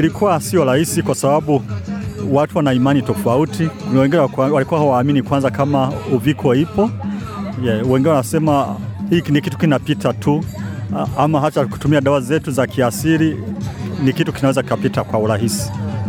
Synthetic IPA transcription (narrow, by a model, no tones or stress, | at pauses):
ilikʰuwasiɔɾahisikwasabaɓu | watuwanaimanitɔfautʰiwɛŋɡinɛwalikuwahawaːminikwanzakamauvikʰɔipɔ | jɛwɛŋɡinɛwanasɛmahiknikitu̥kinapitʰatʰu | amaɦat͡ʃaku̥tumiaɗawazɛtuzakiasiɾi | nikitu̥kinawɛzakkapitakwauɾahisi̥